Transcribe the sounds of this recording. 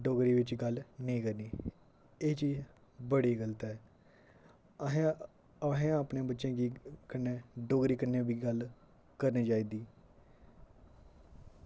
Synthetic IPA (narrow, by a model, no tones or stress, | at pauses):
ɖoːɡɾiːʋɪt͡ʃɡəlnĩːkəɾniː | eːt͡ʃiːd͡ʒ | bəɽiːɡəlt̪ɛː | əɦẽəpnẽːbətːʃẽːɡiːkənːẽːɖoːɡɾiːkənːẽːbiːɡəl | kəɾniːd͡ʒaːiːd̪iː